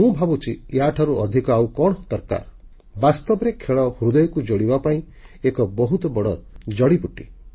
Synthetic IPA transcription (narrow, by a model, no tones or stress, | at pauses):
mũbʱabut͡ʃʰijaʈʰaɾuɔd̪ʱikɔawkɔɽ̃ɔt̪ɔɾka̰ɾ | bast̪ɔbɔɾekʰeɭɔhuɾud̪ɔjɔkud͡ʒoɽibapaĩ | ekɔbɔɦut̪ɔbɔɽ̃ɔd͡ʒɔɽipuʈḭ